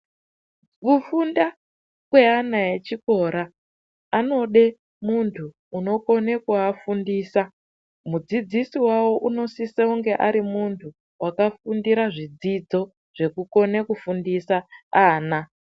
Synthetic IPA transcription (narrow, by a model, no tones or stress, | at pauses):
kufunda | kweanajet͡ʃiko̞ɾaː | no̞ɗe̞ | muntʰuː | no̞ko̞nekuafundiːsa | mud͡zid͡zisiwawo̞ʔuno̞siseuŋɡe̞ʔaɾimuntʰu | wʔakafundiɾaʐid͡zid͡zo̞ | ʐ̥e̞kuko̞nekufundisaaːna